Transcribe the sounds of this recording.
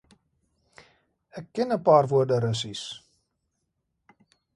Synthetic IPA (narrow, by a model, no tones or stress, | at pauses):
ɛkːɛnəpɑːrvuərdəɾəsis